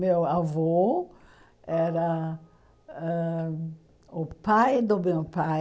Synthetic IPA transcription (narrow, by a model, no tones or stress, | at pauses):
mewavo | ɛɾɐ | ɛ | ʊpajd̪ʊmewpa